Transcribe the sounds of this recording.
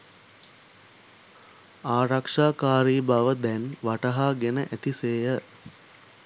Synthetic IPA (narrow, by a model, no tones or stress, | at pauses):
aːɾakʂaːkaːɾiːbaʋəd̪ɛnʋaʈəɦaːɡenəʔæt̪iseːjə